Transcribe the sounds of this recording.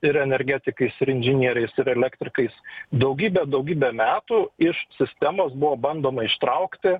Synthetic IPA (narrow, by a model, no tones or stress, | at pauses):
ɪɾɛnʲɛɾʲɡʲæːt̪ʲɪkɐɪsɪɾɪnʲʒʲɪnʲiɛɾʲɛɪsɪɾɛlʲækt̪ʲɾʲɪkɐɪsd̪ɐʊɡʲiːbʲɛd̪ɐʊɡʲiːbʲɛmʲæːt̪uːɪʃsʲɪsʲt̪ʲæmoːsbʊʋoːbɐnd̪oːmɐɪʃt̪ɾɐʊkt̪ʲɪ